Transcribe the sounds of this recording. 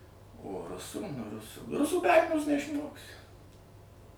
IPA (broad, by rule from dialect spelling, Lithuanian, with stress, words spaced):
oː ˈrʊsuː ˈrʊsuː ˈrʊsuː bʲɛ ˈɐrʲmʲɪjoːs nʲɛɪʃˈmoːksʲɪ